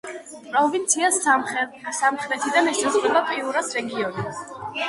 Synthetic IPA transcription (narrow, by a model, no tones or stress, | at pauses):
pʼɾɔvint̪sʰias | samχɾɛt̪ʰid̪anɛsʰɛsqʼɾɛbapʼiuɾasɾɛɡiɔni